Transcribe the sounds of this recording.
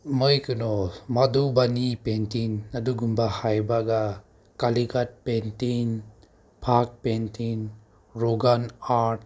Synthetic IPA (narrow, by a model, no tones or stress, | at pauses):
mɯjkɯnɔmad̪ubanipentinad̪uɡumbahajbaɡa | kaliɡat̚pentin | pʰak̚pentin | ɾɔɡanaɾt̚